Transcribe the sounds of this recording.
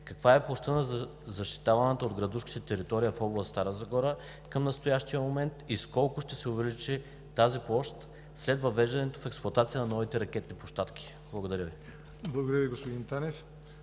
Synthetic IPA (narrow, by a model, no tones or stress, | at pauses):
kɐkvaɛplˠɔʃt̪ənɐzzɐʃt̪i̥t̪avɐnət̪əod̪ɡɾɐd̪uʃki̥t̪ɛt̪ɛɾit̪ɔɾijəfɔblˠəst̪aɾəzɐɡɔɾə | kəmnɐst̪ojaʃt̪ijəmomɛnt̪iskɔlˠkʊʃt̪ɛsɛʊvɛlit͡ʃɛ | t̪aziplˠɔʃt̪ | slɛdt̪vɐvɛʒd̪ɐnɛt̪ofɛksplˠɐt̪at̪sijənɐnɔvit̪ɛɾɐkʲɛt̪nipoʃt̪at̪k̟ʲi̥ | blˠɐɡod̪ɐɾʲjəvi | blˠɐɡod̪ɾjəviɡospod̪int̪anɛs